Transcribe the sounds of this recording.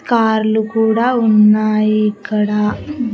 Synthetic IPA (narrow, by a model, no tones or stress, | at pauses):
kaːɾlukuːɽaːunːaːjiːkːɐɽaː